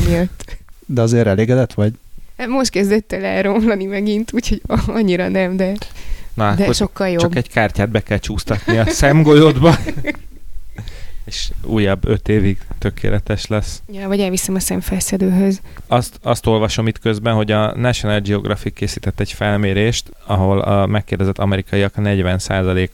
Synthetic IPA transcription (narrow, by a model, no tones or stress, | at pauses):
mijøt̪ːd̪ɛɒzeːɾɛleːɡɛd̪ɛt̪ʋɒɟmo̞ʃt̪kɛzd̪ɛt̪ːɛlɛlɾo̞mlɒnimɛɡint̪uːcʰho̞ɟɒɲːiɾɒnɛmd̪ɛnɒakd̪ɛoʃo̞kːɒljot͡ʃɒbkɛɟkaːrcaːd̪̚bɛkɛlt͡ʃuːst̪ɒt̪niɒsɛmɡojod̪bɒ | eːʃṵːjɒbːø̞t̪eːviɡt̪økʰḛːlɛt̪ɛʃlɛsjɛvɒɟɛlvisɛmɒsɛɱfɛsɛd̪øːɦøzɒst̪ɒst̪o̞lvɒʃo̞mit̪køzbɛnɦo̞ɟɒnɛʃonaːld͡ʒio̞ɡrʔɒfikːeːsiːt̪ɛt̪ːɛɟfɛlmeːɾeːʃt̪ | ɒɦo̞lɒ̰mɛkːeːrd̪ɛzɛt̪ːɒmɛɾikɒjiɒknɛɟvɛnsaːzɒleːk